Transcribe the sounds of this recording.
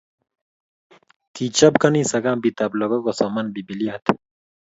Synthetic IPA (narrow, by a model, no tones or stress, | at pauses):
t̪ʰit͡ʃɐb̚kɐnisɐɡaːmbit̪ɐblɐɡɐɡosɔmɐnbibiliat̪